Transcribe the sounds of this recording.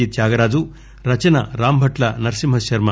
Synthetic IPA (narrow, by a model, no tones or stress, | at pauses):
iːt̪̚d͡ʒaːɡɐɾaːd͡ʒu | ɾɐt͡ʃɐnɐ̰ɾaːmbʱɐʈlɐnɐɾsimɦɐsʃɐɾmɐ